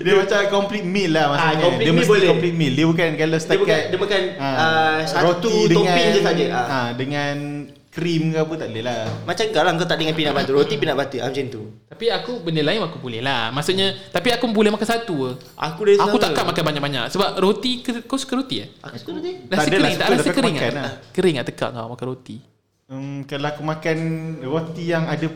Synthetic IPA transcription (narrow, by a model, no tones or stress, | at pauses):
diəmat͡ʃakɔmplit̪̚millahmasuɲaidəmiblɛkɔmplit̪̚mildiəbukankaləsdt̪aəbukadiəmakanaəsaɾot̪uidəŋãiəsad͡ʒəaadəŋan | kɾimkaput̪aʔləlamat͡ʃaŋkalaŋkawt̪aʔdəŋanpinaʔbat̪uɾot̪ipinaʔbat̪ua̰mt͡ʃɛnt̪ut̪apiakubəndəlaɪnwkubulɛhlahmasuʔɲat̪apiakubulɛhmakansat̪uə | ʔa̰kudaisauaʔkaʔmakanbaɲaʔ̚kbaɲa̰ʔsəbap̚ɾot̪ikəkosu̥kəɾot̪ia̰̥koidasəəɾiŋt̪aʔlasəkəɾiŋaaaakəɾɪŋa̰ʔt̪əka̰ʔŋka̰wmakanɾot̪i | əmkalaakumakanrot̪ijaŋadə